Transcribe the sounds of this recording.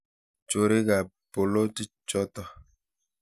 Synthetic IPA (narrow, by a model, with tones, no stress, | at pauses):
t͡ʃo˨ɾe˦ɡa˨ | po˨lo˦ti˦t͡ʃɔ˦tɔ˦